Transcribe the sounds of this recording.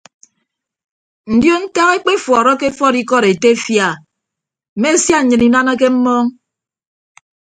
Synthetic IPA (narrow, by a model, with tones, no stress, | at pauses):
n̩˨djo˦n̩˦ta˦ɣe˦k͡pe˦fɔː˨ɾɔ˦ke˦fɔ˦ɾi˦kɔ˦ɾe˨te˦fja˦˨ | m̩˨me˦˨sja˦ɲ̩˨ɲɨ˨ni˦na˦na˦k̬e˦m̩˦mɔː˦ŋ